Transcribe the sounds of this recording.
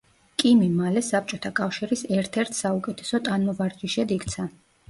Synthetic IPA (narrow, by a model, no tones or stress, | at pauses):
kʼimimalɛsap̚ʰt͡ʃʼɔt̪ʰakʼafʃiɾisɛɾt̪ʰɛɾt̪ʰsaukʼɛt̪ʰɛ̥sɔt̪ʼanmɔvaɾd͡ʒiʃɛd̪ikʰt̪sʰa